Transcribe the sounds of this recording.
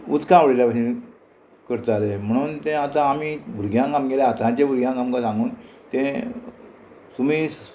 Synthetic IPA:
ṵt͡skãʋɽeljapaɕi | kəɾt̪alem̤əɽ̃uːnt̪ẽat̪ãːmiːbʱuɾɡʱjãkamɡeleat̪ãt͡ɕẽbʱuɾɡʱʲjãkamkãsãŋɡuːnt̪ẽ | t̪um̤iː

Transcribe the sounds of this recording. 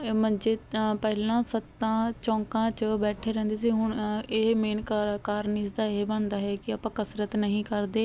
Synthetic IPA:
mə̃nd͡ʒeːpɛɦlãːsət̪ːãːt͡ʃɔ̃ːŋkãːt͡ʃbɛːʈʰeːɾɛ̃ːnd̪eːs̬iːɦʊɳeːmeːnkkaːɾnɪːsd̪aːeːbənd̪aːɦɛːkɪaːpãːkəsɾət̪nəɦĩːkəɾd̪eː

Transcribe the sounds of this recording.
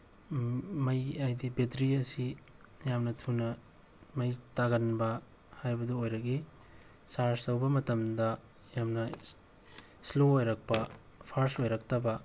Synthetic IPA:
mɐjajdibetɾiɐsi | jamnɐtʰunɐ | mɐjtaɡɐnbɐ | hajbɐduojɾɐɡi | saɾsɐwbɐmɐtɐmdɐ | jamnɐ | sloːjɾɐk̚pɐ | pʰaɾsojɾɐk̚tʰɐbɐ

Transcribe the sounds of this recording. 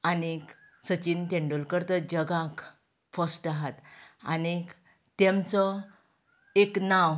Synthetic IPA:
anek | sət͡ɕint̪ẽɳɖulkəɾt̪əd͡ʑəɡãk | fəsʈaɦat̪a̰nek | t̪emt͡sɔ | eknaw

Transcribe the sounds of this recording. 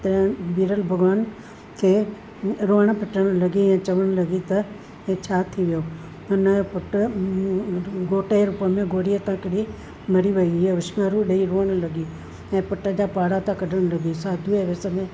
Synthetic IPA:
t̪ɐ̃biːɾəlbʱɐɡʋaːn | kʰeː | ɾoːəɽ̃̆pɪʈəɽ̃lɐɡiɛ̃ːt͡ɕɐʋəɽ̃lɐɡit̪ɐ | et͡ɕʰaːt̪ʰiʋijo | ʊnpʊʈ | ɡoːʈeeɾupəmẽɡoːɽijət̪ãkɽi | mɐɾiʋɐiiʊʃmaːɾũɗeiɾoːəɽ̃lɐɡi | ɛ̃ːpʊʈəd͡ʑaːpaːɽat̪ãkɐɖʱəɽ̃lɐɡisaːd̪ʱuɛʋeːsəmẽ

